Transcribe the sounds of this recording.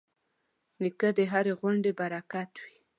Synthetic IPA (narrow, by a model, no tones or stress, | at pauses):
nikəd̪əɦaɾeɣwaɳɖebaɾakat̪wi